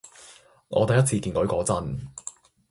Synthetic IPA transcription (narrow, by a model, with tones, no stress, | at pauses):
ŋʔɔ̰ː˨˧t̪ɐ˨jɐ˥t͡sʰiː˧kiː˧nkɔ˨˥ɥkɔː˨˥t͡sɐ˥n